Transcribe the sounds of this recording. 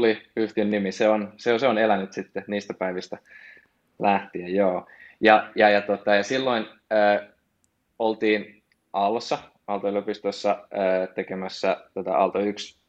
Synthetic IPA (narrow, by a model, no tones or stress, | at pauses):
liyht̪iønnimiseonseoseonelænyt̪sit̪ːeniːst̪æpæiʋist̪æ | læht̪iejjoːjɑjɑjɑt̪ot̪ɑjɑsilːoinəː | olt̪iːn | ʔɑlːosːɑ | ɑlt̪oyløpist̪osːɑəːt̪ekemæsːæt̪ot̪ɑ̰ʔɑ̰lt̪oyks